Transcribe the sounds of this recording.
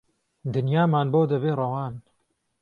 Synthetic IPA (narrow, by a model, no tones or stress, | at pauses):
d̪ɨnjaːmaːnboːd̪ɐβeːrˤɐwaːn